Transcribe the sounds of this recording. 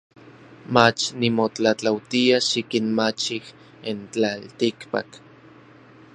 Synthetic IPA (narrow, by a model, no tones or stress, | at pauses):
mat͡ʃnimot͡ɬat͡ɬawt̪iaʃikinmat͡ʃih | int͡ɬalt̪ikpa̰k